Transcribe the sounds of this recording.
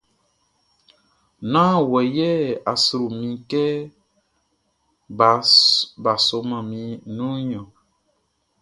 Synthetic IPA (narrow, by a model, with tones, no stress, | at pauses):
nãː˦wɛ˨jɛ˦a˨su˨ɾu˨mĩ˨kɛ˦ | ba˨ba˨so˨˦mã˨mĩ˧nũ˦ɲɔ̃˨